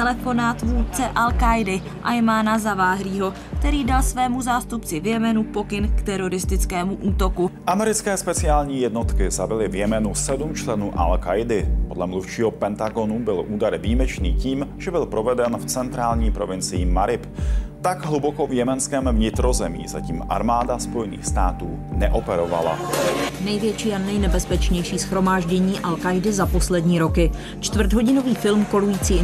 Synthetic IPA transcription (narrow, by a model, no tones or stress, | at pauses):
ɛlɛfo̞naːt̪vuːɾt͡sɛʔalkajdɪ | ʔajmanazavaːɦɾiːɦo̞ | kt̪ɛɾiːdalsvɛːmuzaːst̪upt͡sɪvjɛmɛnupo̞kɪnkt̪ɛɾo̞ɾɪst̪ɪt͡skɛːmuʔuːt̪o̞kuʔamɛɾɪt͡skɛːspɛt͡sɪaːlɲiːjɛdnot̪kɪzabɪlɪvjɛmɛnusɛdumt͡ʃlɛnuːʔa̰lkajdɪpo̞dlɛmluft͡ʃiːɦopɛnt̪aɡo̞nubɪlʔuːdaɾviːmɛt͡ʃniːciːmʒɛbɪlpɾovɛdɛnft͡sɛnt̪ɾaːlɲiːpɾo̞vɪnt͡sɪjimaɾɪpt̪aɡɦlubokovjɛmɛnskɛːmvɲɪt̪ɾozɛmḭːza̰cḭːmʔa̰ɾmaːdaspojɛnḭːxst̪aːt̪uːnɛʔopɛɾova̰la̰nɛjvjɛt͡ʃiːanɛjnɛbɛspɛt͡ʃɲɛjʃiːsxɾo̞maːʒɟɛɲiːʔalkajdɪzapo̞slɛdɲiːɾo̞kɪ | t͡ʃt̪vr̩t̪ɦo̞ɟɪno̞viːfɪlmko̞lujiːt͡siː